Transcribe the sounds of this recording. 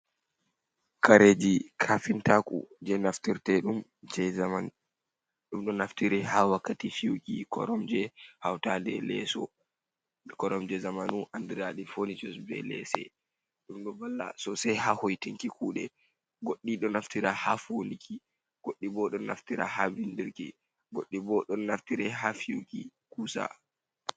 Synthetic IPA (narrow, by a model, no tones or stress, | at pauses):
kaɾed͡ʒikʰafintakʼṵd͡ʒɛnaftiɾtɛɗumd͡ʒɛaman | ɗumɗɔnaftiɾɛhawakːatifiwkḭkɔ̰ɾɔmd͡ʒɛhawtadɛ̰lɛ̰sɔ̰ | kɔɾɔmd͡ʒɛzamanuʔandiɾaɗifonid͡ʒɔsbɛ̰lɛ̰sɛ̰ | ɗumɗɔbalːa̰sɔsɛjhahojtiŋkikuːɗɛ | ɡoɗːiɗɔnaftiɾahafonikʰi | ɡ̥oɗːibɔɗɔna̰ftiɾa̰habindiɾkḭ | ɡoɗːibɔɗɔnːaftiɾɛɦafiwkikuːsa̰